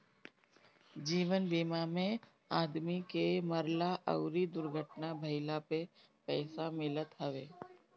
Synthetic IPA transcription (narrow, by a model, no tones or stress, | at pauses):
d͡ʒiːʋənbiːmamẽ | aːd̪mikeməɾlaʔə̰ʊɾid̪ʊɾɡʱəʈnabʱəɪlape | pɛːsamɪlət̪ɦəʋeː